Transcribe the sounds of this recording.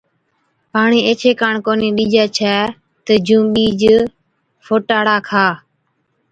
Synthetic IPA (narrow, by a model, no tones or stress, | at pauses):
paːɳiːeːt͡ʃʰeːkaːɳkoːniːɗiːd͡ʒɛːt͡ʃʰɛː | t̪əd͡ʒũːɓiːd͡ʒ | foːʈaːɽaːkʰaː